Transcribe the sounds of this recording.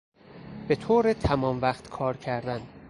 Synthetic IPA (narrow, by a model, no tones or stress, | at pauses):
be̞t̪ʰoːɾet̪ʰæmɒːmvæχt̪kʰɒːɾcʰæɾd̪æn